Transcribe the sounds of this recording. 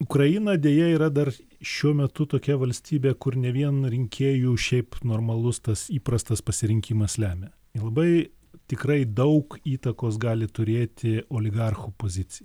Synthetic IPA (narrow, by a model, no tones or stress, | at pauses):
ʊkɾɐjɪnɐːd̪ʲeːjɛiːɾɐd̪ɐr | ʃʲuɔmʲɛt̪ʊt̪oːkʲɛʋɐlʲsʲt̪ʲiːbʲeːkʊrnʲɛʋʲiɛnɾʲɪŋʲkʲʰeːjuːʃʲɛɪpnoːrmɐlˠʊst̪ɐsiːpɾɐst̪ɐspɐsʲɪɾʲɪŋʲkʲiːmɐslʲæːmʲeː | ɪlˠɐbɐɪ | t̪ʲɪkɾɐɪd̪ɐʊkiːt̪ɐkoːs̬ɡɑːlʲɪt̪ʊɾʲeːt̪ʲɪoːlʲɪɡɑrxupoːzʲɪt̪t͡s̪ʲɪjɛ